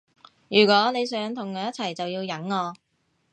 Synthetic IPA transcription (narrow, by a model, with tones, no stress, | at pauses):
jyː˨˩kʷɔː˨˥ne˨˧jsœː˨˥ŋt̪ʰʊ˨˩ŋkœː˨˧jɐ˥t͡sʰɐ˨˩jt͡sɐ˨wjiː˧wjɐ˨˥ŋːɔː˧